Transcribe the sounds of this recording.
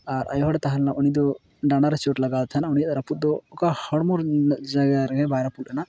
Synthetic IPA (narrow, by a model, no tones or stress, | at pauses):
aɾʔa̰jɔɦɔɽɛt̪aɦanlamɔnid̪ɔ | ɖanaɾɛt͡ʃoʈlaɡalt̪ʰanaɔnijat̪aɾaput̪̚d̪ɔːkahɔɽmɔɾd͡ʒaɡaɾɡɛbajɾapulɗɛna